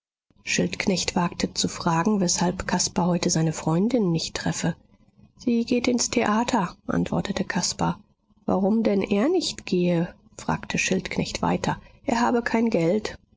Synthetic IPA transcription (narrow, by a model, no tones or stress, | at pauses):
ʃɪltknɛçtv̥aːktʰət͡sufʁ̥aːɡŋ̩vɛshalpkʰaspaɦɔʏtəzaɪnəfʁ̥ɔʏndɪnːɪçtːʁ̥ɛfə | z̥iːɡeːtɪnstʰeʔaːtʰɐʔa̰ntv̥ɔ̰ɐtətəkʰaspɐ | va̰ʁʊmdɛnʔeːɐnɪçtɡ̥eːə | fʁ̥a̰ːktʰəʃɪltknɛçtv̥a̰ɪtʰɐʔeːɐɦaːbəkʰaɪnɡɛlt